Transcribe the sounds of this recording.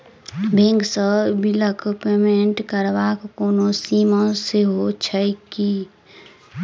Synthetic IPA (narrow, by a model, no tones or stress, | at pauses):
bʱẽŋɡsəbiləkpeːmẽɳʈkəɾʋakkoːnosiːmə̃seɦot͡ʃʰəjki